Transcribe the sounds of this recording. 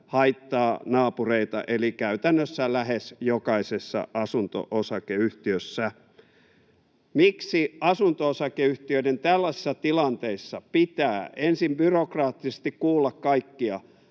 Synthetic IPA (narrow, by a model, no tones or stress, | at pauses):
hɑit̪ːɑːnɑːpureit̪ɑ̰ʔelikæyt̪ænːøsːælæhesjokɑisesːɑ̰ʔɑsunt̪o̰ʔosɑkeyht̪iøsːæ | miksiɑsunt̪oosɑkeyht̪iøinent̪ælːɑsi̥sːɑt̪ilɑnt̪eisːɑpit̪æːensimbyrokrɑːt̪ːise̥st̪ikkuːlːɑkkɑikːiɑ